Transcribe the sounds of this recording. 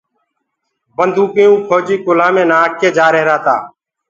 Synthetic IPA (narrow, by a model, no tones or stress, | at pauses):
bənd̪ʱũːkẽːũːkʰoːd͡ʒiːkʊlãːmẽːnaːkʰːeːd͡ʒaːɾeɦɾaːt̪aː